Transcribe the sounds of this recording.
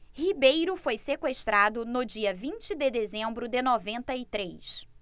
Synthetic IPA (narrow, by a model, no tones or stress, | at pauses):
hibejɾʊfojsekweʃt̪ɾad̪ʊnʊd͡ʒiɐvĩt͡ʃɪd̪ɪd̪ezẽmbɾʊd̪ɪnɔvẽnt̪ɐɪt̪ɾejs